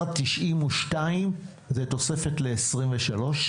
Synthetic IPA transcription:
tiʃʔimuʃtaim | zeto̞se̞fetle̞ːsʁimveʃalo̞ʃ

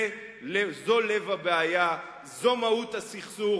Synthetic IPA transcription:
lezo̞levabeaja | zo̞mautasiχsu

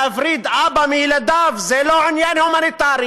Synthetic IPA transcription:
afɾiːd̪ʔaːbamilad̪aːfzeːloːʕʊnjaːnhumanit̪aːɾi

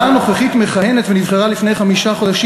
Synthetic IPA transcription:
ano̞χeχitme̞χajenetvenivχeʁalifnejχamiʃaχo̞d̪aʃ

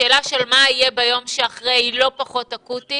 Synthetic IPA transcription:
eːlaʃelmaijebajo̞mʃeaχʁeilo̞paχo̞takuti

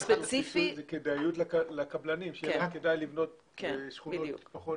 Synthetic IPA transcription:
spet͡sifizekedajjutlakalakablanimʃekedajlivno̞t̪̚ | ʃχunboṵpaχo

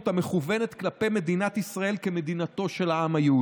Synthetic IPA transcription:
t̪ameχuve̞net̪klape̞jme̞d̪inat̪isʁae̞lkeme̞d̪inat̪o̞ʃe̞laamajeu

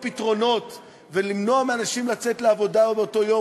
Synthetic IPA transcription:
pitʁo̞no̞t | ve̞limno̞ameanaʃimlat͡se̞tleavo̞daobeoto̞jo̞

